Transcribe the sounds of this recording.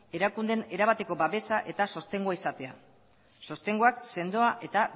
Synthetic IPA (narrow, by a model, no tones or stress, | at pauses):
e̞ɾakund̪ene̞ɾaβ̞at̪e̞ko̞baβe̞saʔe̞t̪aso̞st̪e̞ŋɡoaisat̪e̞a̰ | so̞st̪e̞ŋɡoakse̞nd̪o̞aʔe̞t̪a